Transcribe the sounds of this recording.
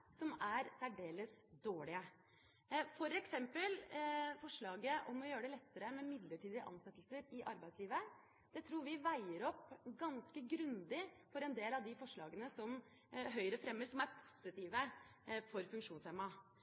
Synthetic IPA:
sɔmæɾsæɖeːləsd̪oːɭɪə | fɔɾɛksɛmpəlfɔʂɭɑːɡəʔɔmɔjøːəɖɛlɛt̪ːəɾəmɛmɪd̪ləʈiːd̪ɪəʔɑ̰nsɛt̪ːlsəɾɪʔɑ̰ɾbæɪsliːʋə | d̪̥ɛt̪ʰɾuːɾʋɪʋæɪəɾɔpːɡɑnskəɡɾʉnd̪ɪfɔɾɛnd̪eːlɑʋd̪ɪfɔʂɭɑːɡənəsɔm | ɦœʏɾəfɾɛmːəɾsɔmæɾpʰʊ̥sɪt̪ʰiːʋəfɔɾfʉŋkʂuːnseːmɑ

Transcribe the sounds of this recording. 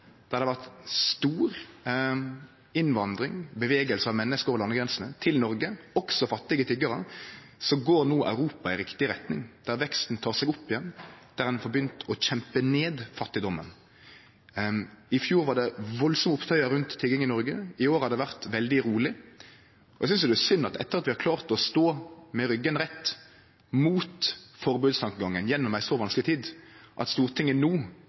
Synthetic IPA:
d̪̥æʁɑd̪ɛʋæʁt̪st̪uːɾ | ɪnʋɑnd̪ɾɪŋbəʋeːɡəlsəɑʋmɛnːəskəɾɔlɑnːəɡɾɛnsənət̪ʰɪlnɔɾɡəɔksɔfɑt̪ːɪɡət̪ʰʏɡɑɾə | sɔɡoːɾnuːʔɑ̰ʉɾuːpɑɪɾɪkt̪ɪɾɛt̪nɪŋd̪̥æɾʋɛkst̪n̩t̪ʰɑːʁsɛɡʊpːɪjɛnd̪̥æɾd̪ɛnfɔbjʏnt̪ʰɔçɛmpəneːd̪fɑt̪ːɪd̪ɔmːən | ɪfjuːɾʋɑɾɖ̪ɛʋɔlsɔmʊpt̪ʰœʏɑɾʉnt̪ʰːɪlɡɪŋɪnɔɾɡəɪoːɾhɑd̪d̪ɛʋæʁt̪ʋɛld̪ɪɾuːlɪ | ɔʔɛɡsʏnsd̪ɛæʂʏnːɑt̪ɛ̰t̪ːəɾɑt̪ʋɪhɑɾkʰlɑːʁt̪ɔst̪oːmɛɾʏɡənɾɛt̪ː | muːt̪fɔɾbʉːd̪st̪ʰɑŋkəɡɑŋːənjɛnːɔmæɪsɔʋɑnsklɪt̪ʰiːd̪ʔɑt̪st̪uːɾt̪ʰɪŋːənuː

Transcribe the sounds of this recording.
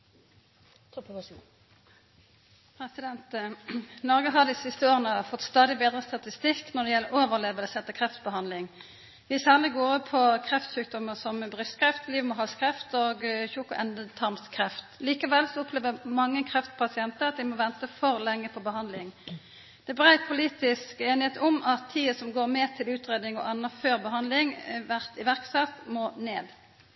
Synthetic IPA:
pɛɪd̪ɛnt̪ | nɔʁɡəɦɑd̪ɪsɪst̪əoːʁənəfɔt̪ːst̪ɑːd̪ɪbeːd̪ʁəst̪ɑt̪ɪst̪ɪkːnɔd̪ɛjɛlːəoːʋəʁleːʋəlsɛt̪ːəkʰʁɛft̪bəhɑnd̪lɪŋ | ʋɪsæːʁlɪɡoːɾəpʰɔkʰʁɛft̪sʉːk̚d̪ɔmːəsɔmbʁʏst̪kʰɾɛft̪liːʋmɔɦɑskʁɛft̪oːɡçuːkʊʔɛnd̪ət̪ʰɑʁmskʰʁɛft̪liːkəʋɛlsɔɔpʰleːʋəmɑŋːəkʰʁɛft̪pʰɑsɪɛnt̪əʁɑt̪̚d̪ɪmɔʋɛnt̪əfɔʁlɛŋːəpʰɔbəɦɑnd̪lɪŋ | d̪̥ɛbʁæɪt̪̚pʰʊliːt̪ɪskeːnɪheːt̪ɔmɑt̪ʰːiːəsɔmɡoːʁmɛːt̪ʰɪlʉːt̪ʁeːd̪ɪŋɔ̰ʔɑnːɑføːʁbəɦɑnd̪lɪŋʋæʁt̪ɪʋæʁksɛt̪moːneːd̪

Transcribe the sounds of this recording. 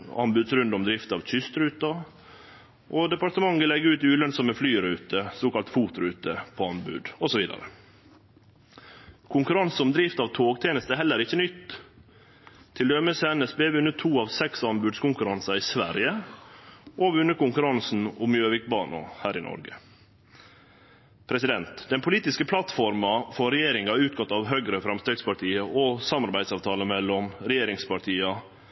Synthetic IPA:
ɑ̰nbʉd̪sɾʉnd̪ɔmd̪ɾɪft̪ɑʋc͡çʏst̪ɾʉːt̪ɑ | ʔɔd̪ɛpɑɾt̪əmɑŋːʋɪlɛɡːəʉːt̪ɪʉːlœnsɔməflyːɾʉːt̪əsoːkɑlt̪fuːt̪ɾʉːt̪əpʰɔɑnbʉ̰ːd̪ɔsɔʋiːd̪ɑ̰ɾə̰ | kʰʊŋkʉɾɑnsɔmd̪ɾiːft̪ɑːʋt̪ʰoːɡt̪ʰeːnəst̪əæhɛlːəɾɪçːənʏt̪ː | t̪ʰːɪld̪œməsɛnəsbeːʋʉnːət̪ʰuːɑʋsɛksɑnbʉːd̪skʊŋkʉɾɑnsɑɪsʋæ̰ɾjə | ʔoʋʉnːəɾkʊŋkʉɾɑnsn̩ʊmjøːʋɪkbɑːnɑ̰hæːɾɪnɔ̰ɾɡə | pʰɾɛsɪd̪ɛnt̪d̪̥ɛnpʰʊliːt̪ɪskəpʰlɑt̪fɔɾmɑfɔɾɛjeːɾɪŋɑʉːt̪̚ɡɑt̪ːɑːʋɦœɡɾəfɾɑmst̪ɾeːɡspɑʈʰiːəʔɔsɑmɑɾbæɪ̥sɑːʋt̪ʰɑːləmɛlːɔmɾɛjeːɾɪŋspɑʈʰiːɑ

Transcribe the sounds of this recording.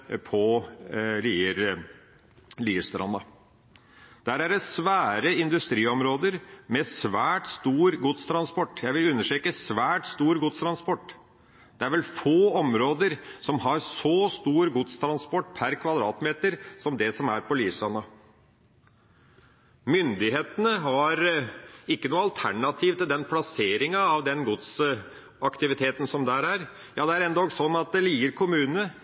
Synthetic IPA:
pʰɔ | liːəɾ | liːst̪ɾɑ̰nːɑ | d̪̥æɾæɖɛsʋæːɾəɪnd̪ʉst̪ɾiːɔmɾoːd̪əɾmɛsʋæːʈst̪uːɾɡʊt̪st̪ʰɾɑnspɔʈːjæɪʋɪlʉnːəʂʈeːkəsʋæːʈst̪uːɾɡʊt̪st̪ʰɾɑnspɔʈː | d̪̥ɛæɾʋɛlfoːɔmɾoːd̪əɾsɔmɦɑɾsɔːst̪uːɾəɡʊt̪st̪ʰɾɑnspɔʈːpʰæɾkʰʋɑd̪ɾɑ̰ːt̪meːt̪əɾsɔmd̪ɛsɔmæɾpɔliːʋsɑnːɑ | mʏnd̪ɪɦeːt̪ənəɦɑɾɪkːənuːɑlt̪ʰæɳɑt̪ʰiːʋt̪ɪld̪ɛnpʰlɑseːɾɪŋɑːʋd̪ɛnɡʊt̪s | ɑkt̪ɪʋɪt̪ʰeːt̪ən̩sɔmd̪æɾæɾ | jɑːd̪ɛæɾɛnd̪oːɡsɔnːɑt̪̚d̪ɛliːɡəɾkʰʊmʉːnə

